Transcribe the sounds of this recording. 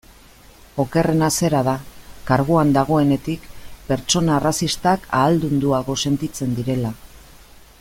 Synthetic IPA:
o̞ke̞re̞nase̞ɾaðakaɾɣuand̪aɣ̞o̞e̞ne̞t̪ikpe̞ɾt͡ʃo̞narasist̪akʰa̰ːld̪und̪uaɣ̞o̞se̞nt̪it͡se̞nd̪iɾe̞la

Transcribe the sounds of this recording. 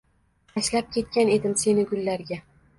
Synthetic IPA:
aʃlap̚kʲʰe̞t̪̚kʲane̞d̪ɪmse̞nɪɡʊlːaɾɡʲa

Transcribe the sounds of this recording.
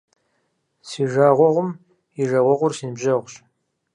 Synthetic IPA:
siːʒaːʁʷɔʁʷʊm | iʒɐʁʷɔʁʷʊrsiːnbʑɐʁʷɕ

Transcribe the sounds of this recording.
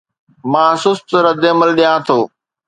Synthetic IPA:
mãːɦsuːst̪əɾəd̪eːməlɗijãːt̪ʰoː

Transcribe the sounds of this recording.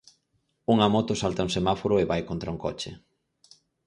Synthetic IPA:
uŋamɔt̪ʊsalt̪auŋsemafoɾʊeβajkont̪ɾauŋkɔ̰t͡ʃɪ̰

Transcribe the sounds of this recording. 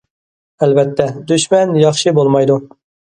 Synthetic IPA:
ɛlbɛt̪ʰːɛd̪yʃmɛnjɑχʃɨbolˠmɑjd̪u

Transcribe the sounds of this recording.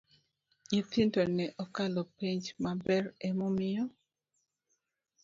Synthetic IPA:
it̪ɪndonɛʔɔkalɔpiɲd͡ʒmabɛrɛmɔmɪjɔ

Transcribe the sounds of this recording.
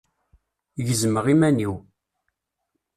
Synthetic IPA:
ʝəzməʁimæniw

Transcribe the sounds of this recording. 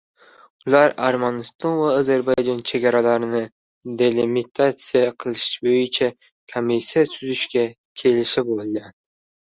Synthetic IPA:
ʊlˠaɾaɾmanɪst̪ʰɒnvaːzeɾbajd͡ʒɑnt͡ʃʰeɡʲaɾalaɾɪnɪ | d̪elimit̪ʰat̪sijaqʰɨlˠɪʃʃbojɪt͡ʃʰa | kʰomːisijasyzyʃkʲa | kʲʰe̞lɪʃɪbolˠɡ̪ʲan

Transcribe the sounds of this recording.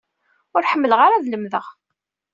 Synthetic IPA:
ʊɾħəmːəlʁaɾaðləmðəʁ

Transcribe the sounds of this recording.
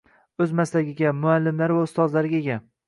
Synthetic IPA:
ɵzmaslaɡʲɪɡʲamʊalːɪmlaɾvaʊst̪ɒzlaɾɪɡʲaeɡʲan

